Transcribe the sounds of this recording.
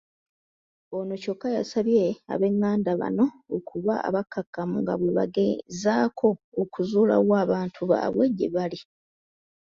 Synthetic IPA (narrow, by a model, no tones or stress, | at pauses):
onoco̞kːajasaβjea̰βe̞ŋːaːndaβa̰no̞ːkuβaa̰βakːakːamuŋɡa̰βweβa̰ɡezaːkʰo̞ːkuzuːla̰waːβaːntʰuβa̰βweɟːḛβali